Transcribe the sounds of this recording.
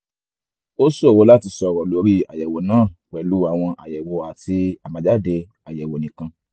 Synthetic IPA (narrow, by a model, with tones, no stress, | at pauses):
o˦so˦˨wo˨˦la˦ti˧sɔ˧˦˨wɔ˨lo˨˦ɾi˦a̰˨jɛ˨wo˨nãː˦˨wɛ˨lu˨˦a˨w̃ɔ̃˧ʔa˨jɛ˨wo˨a˨ti˧a˨mã˨d͡ʒa˦de˧ | a˨jɛ˨wo˨nĩ˨kã˧